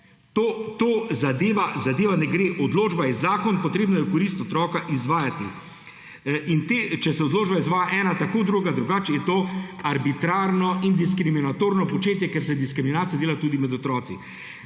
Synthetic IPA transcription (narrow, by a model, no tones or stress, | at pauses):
t̪ot̪oːzad̪eːʋazad̪eːʋanɛɡɾeːʔɔd̪loːd͡ʒbajɛzaːkɔnpɔt̪ɾeːbnajɛkɔɾiːst̪ɔt̪ɾɔːkaʔizʋaːjat̪ḭ | int̪eːt͡ʃɛsɛod̪loːd͡ʒbaizʋaːjaʔɛːnat̪akoːd̪ɾuːɡad̪ɾuɡaːt͡ʃjɛt̪oːaɾbit̪ɾaːɾnɔind̪iskɾiminat̪oːɾnɔpɔt͡ʃeːt̪jɛkɛɾsɛd̪iskɾiminaːt̪ijad̪eːlat̪uːd̪imɛd̪ɔt̪ɾɔːt̪sḭ